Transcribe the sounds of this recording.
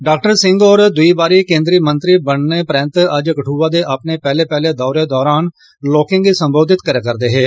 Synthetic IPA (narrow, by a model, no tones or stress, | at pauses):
ɖaːkʈəɾsɪŋɡɔːɾd̪ʊiːbaːɾiːkẽːnd̪ɾiːmənt̪ɾiːbəɳneːpɾɛ̃ːnt̪əd͡ʒkəʈʰuːʋaːd̪eːʔaːpneːpɛːleːpɛːleːd̪ɔːɾeːd̪ɔːɾaːn | lɔːkɪ̃ŋɡiːsəmboːd̪ɪt̪kəɾeːkəɾd̪eːɦeː